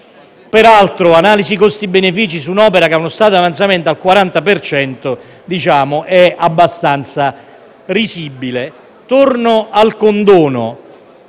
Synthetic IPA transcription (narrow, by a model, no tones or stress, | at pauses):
peɾalt̪ɾʊanaːlisikost̪ibenefiːt͡ʃisunɔːpeɾakeaonʊst̪aːt̪oavant̪sament̪alkwaɾant̪apert͡ʃɛnt̪ʊ | d̪it͡ʃaːmʊʔɛabːast̪ant̪sa | risibile | t̪urnʊalkond̪ɔːnʊ̰